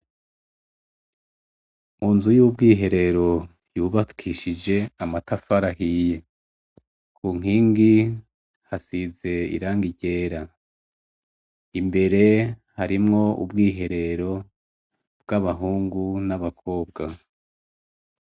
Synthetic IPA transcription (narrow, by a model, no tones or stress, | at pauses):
muːnzujub̚ɡiːɦe̞ɾe̞ɾo̞ | juːβatkʰiʃid͡ʒe̞amatʰafaɾahije | kʰuːŋ̥iːŋɡi | hasize̞ḭɾaːŋɡiɟe̞ːɾa | imbe̞ɾe̞haɾimŋo̞ṵbɡiːɦe̞ɾe̞ɾo̞ | b̥ɡaβaɦuːŋɡunaβakʰo̞ːbɡa